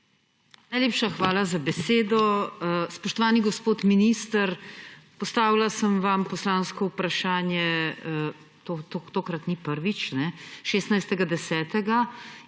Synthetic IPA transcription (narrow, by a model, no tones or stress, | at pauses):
najleːpʃaxʋaːlazabɛseːd̪ɔspɔʃt̪ɔʋaːniɡɔspoːt̪miniːst̪əɾpɔst̪aːʋilasəmʋampɔslaːnskɔupɾaʃaːnjɛ | t̪ot̪ot̪oːkɾat̪nipəɾʋit͡ʃnɛʃeːst̪najst̪ɛɡad̪ɛsɛːt̪ɛɡa